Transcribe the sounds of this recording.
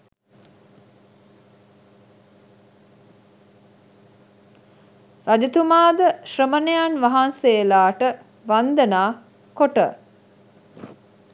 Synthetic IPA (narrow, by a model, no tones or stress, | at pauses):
rad͡ʒət̪umaːd̪əʃrəmənejanʋaɦanseːlaːʈə | ʋand̪ənaː | koʈə̰